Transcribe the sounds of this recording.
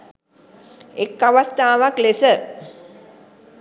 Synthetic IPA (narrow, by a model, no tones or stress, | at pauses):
ekːaʋast̪aːʋaklesə